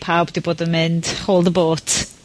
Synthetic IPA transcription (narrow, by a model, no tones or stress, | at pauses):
pʰawbd̥iboːdənmɪnd̥χoːlˠdəboːtʰ